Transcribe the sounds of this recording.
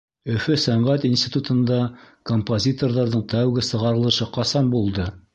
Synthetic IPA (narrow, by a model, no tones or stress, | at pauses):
ɵ̆fɵsæɴʁæt̪insʲt̪ʲit̪ut̪ɤ̆nd̪ɑ | kompozʲit̪o̞rðɑɾðɤɴt̪æwɡɘsɤ̆ʁɑɾɤ̆lˠɤ̆ʃɤqɑsɑmbulˠd̪ɤ